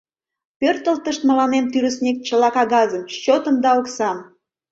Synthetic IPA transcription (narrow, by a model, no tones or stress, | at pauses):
pørt̪əlt̪əʃt̪mə̆lɑnent̪yɾəsnʲik̚t͡ɕəlɑkɑɣɑzəmʃt͡ɕot̪əmd̪ɑoksɑm